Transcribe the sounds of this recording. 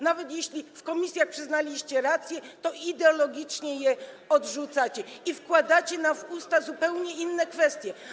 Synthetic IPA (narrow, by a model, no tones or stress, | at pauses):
navɛt̪jeɕlʲifkɔmʲisʲjaxpʂɘznalʲiɕt͡ɕɛɾat̪sʲjɛt̪ɔid̪ɛɔlɔɡʲit͡ʂɲɛjɛ | ɔd̪ʐut̪sat͡ɕɛifkwad̪at͡ɕɛnavust̪azupɛwɲɛinːɛkfɛst̪ʲjɛ